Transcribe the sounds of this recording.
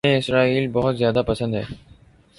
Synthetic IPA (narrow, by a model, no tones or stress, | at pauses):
eesɾailbɔɦʊt̪zjaːd̪apat͡ɕʰand̪e